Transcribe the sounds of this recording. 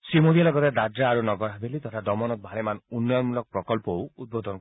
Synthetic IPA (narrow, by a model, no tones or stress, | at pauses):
simoɾialɔɡɔt̪ed̪adɾaːɾunɔɡɔɾɦabelit̪ɔt̪ʰad̪ɔmɔnɔk̚bʱalemanunːɔjɔnmulɔk̚pɾɔkɔlpɔwud̪̚bod̪ɔn